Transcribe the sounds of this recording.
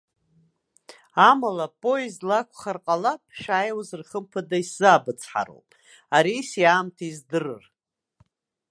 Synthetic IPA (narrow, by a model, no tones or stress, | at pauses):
amalapʼo̞ezlakʷʰχarqʼalapʰʼʃajwazɨrχəmpʰadaiszaaːbɨt͡sʰʼħa̰ɾo̰wpʼ | aɾisjaːmtʰaizdɨrɨ̰r